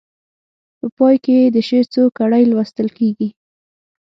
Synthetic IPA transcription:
pəpɑjkeed̪əʃet͡sokaɽajlwast̪əlkeɡi

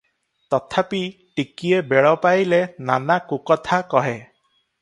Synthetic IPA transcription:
t̪ɔt̪ʰapiʈikiebeɭɔpajlenanakukɔt̪ʰakɔɦe

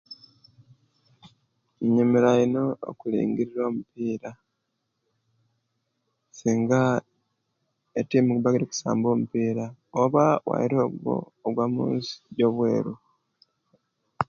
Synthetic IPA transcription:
ɲumiɾainoo̰kulḭːŋɡiɾiɾo̞ːmupiːɾa | siːŋɡa | etiːmikuβaɡiɾiku̥sa̰ːmbo̞ːmupiːɾaoβawa̰jiɾoɡo̰ːɡwaːmṵːnsi̥ɟo̞βwe̞̰ːɾu

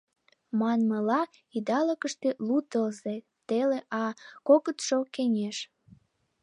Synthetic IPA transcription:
mɑnməlɑ | id̪ɑləkəʃt̪elut̪əlze | t̪eleʔɑkokət̪ʃokenʲeʃ

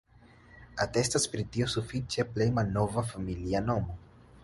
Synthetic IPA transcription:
ate̞staspɾitio̞sufit͡ʃe̞ple̞jmalno̞vafamiliano̞mo̞

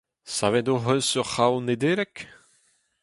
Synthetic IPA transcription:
savedoɦønsyʁχawned̪eɾɛk

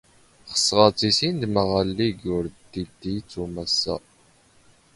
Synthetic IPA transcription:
χə̥sːʁət͡sːisind̪məʁəlːiɡʊɾd̪id̪ijt͡sːumæsːæ̰

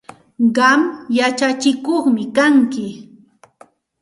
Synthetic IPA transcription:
ɢɑmjat͡ʃat͡ʃɪkoχmɪkaŋkɪ

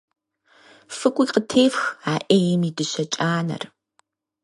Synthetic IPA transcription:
fɨkʷʼiːqətʰeːfxaːʔeːjɛmiːdɨɕɐt͡ʃʼaːnɐ̰r

